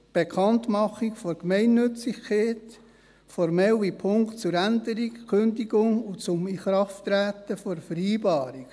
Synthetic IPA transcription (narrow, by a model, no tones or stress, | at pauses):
b̥ekʰɑnt̪mɑχikfɔɾkmɛɪnːɵt͡sɪçkʰeːt | fɔɾmɛlipʰʊŋktt͡sʊɾænd̪əɾikkʰøndiɡʊŋʊt͡sʊmiχɾɑftɾæːt̪əfɔɾfəɾiːbɑːɾik